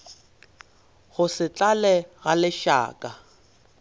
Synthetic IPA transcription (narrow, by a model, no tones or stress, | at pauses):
ɣʊsɪt͡ɬʼalɛɣalɪʃa̰ːkʼa